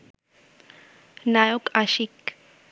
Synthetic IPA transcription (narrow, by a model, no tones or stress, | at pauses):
najokaʃik